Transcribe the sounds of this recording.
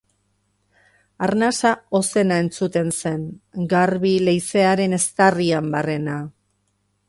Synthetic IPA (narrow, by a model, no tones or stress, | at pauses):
aɾnasao̞se̞nae̞nt͡sut̪e̞nse̞ŋɡaɾβile̞jse̞aɾe̞ne̞st̪ariambare̞na